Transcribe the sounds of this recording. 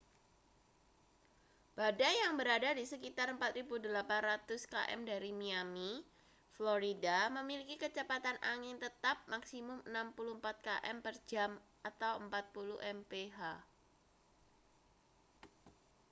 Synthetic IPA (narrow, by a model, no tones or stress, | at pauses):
b̥adajjaŋbəɾadadisəkit̪arəmpat̪ɾibudəlapanrat̪ʊska̰ʔɛ̰mdaɾimiami | floɾidaməmilikikət͡ʃəpat̪anʔa̰ŋɪnt̪ət̪ap̚maksimʊmənampuluəmpat̪̚kaʔɛ̰mpərd͡ʒamʔat̪awəmpat̪̚pulṵʔɛmpeɦa